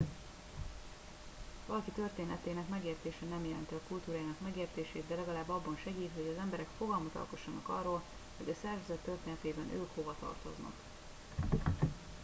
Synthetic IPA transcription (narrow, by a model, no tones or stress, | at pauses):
vɒlɒkit̪ø̞rt̪eːnɛt̪eːnɛkmɛɡeːrt̪eːʃɛnɛmjɛlɛ̰nt̪iɒkult̪uːɾaːjinɒkmɛɡeːrt̪eːʃeːt̪d̪ɛlɛɡɒlaːbːɒbːɒnʃɛɡiːt̪ho̞ɟɒzɛmbɛɾɛkfo̞ɡɒlmɒt̪ɒ̰lko̞ʃːɒnɒkɒ̰rːoːl | ho̞ɟɒsɛrvɛzɛt̪ːørt̪eːnɛt̪eːbɛnʔø̰ːkho̞vɒt̪ɒ̰rt̪o̞̰znɒ̰k